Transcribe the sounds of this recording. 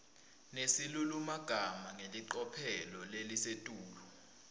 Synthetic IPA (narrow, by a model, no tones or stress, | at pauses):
nesilulumaɡ̥ʱamaŋeliǃɔpʰɛlɔlelisetʼuːlɔ